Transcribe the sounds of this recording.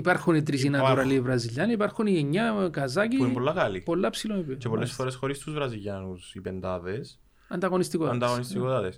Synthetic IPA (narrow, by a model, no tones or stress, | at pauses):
ipɐɾxunit̪ɾis̬inɐoɾɐlivɾɐziʎːɐnɐipɐɾxunieɲːɐkɐzɐciimpolːɐkɐlipo̞lːɐpsilomipt͡ʃepo̞lːesfoɾesxo̞ɾist̪uzvɾɐziʎɐnusipend̪ɐðe̞s | ɐnd̪ɐɣo̞nist̪ikoɐnd̪ɐɣonistt̪ikot̪ɐt̪es